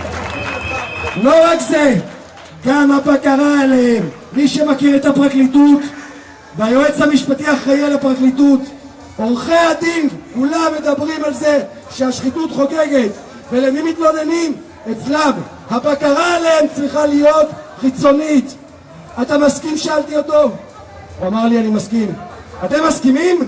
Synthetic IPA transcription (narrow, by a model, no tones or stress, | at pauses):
lo̞ʁakze | ɡamhabakaʁaalehemː | iʃemakiʁetapʁaklitut̪ | bajoet͡shamiʃpatiaχajelapʁaklitut | oʁχead̪inkulamːe̞d̪abʁimalze̞ | ʃeaʃχitut̪χo̞ke̞ɡe̞t | velemimit̪bonenim | et͡slam | habakaʁaːleemt͡sʁiχalijo̞t̪χit͡so̞nit̪ | atamaskimʃealtio̞to̞ | uamaʁlianimaskim | at̪emaskimim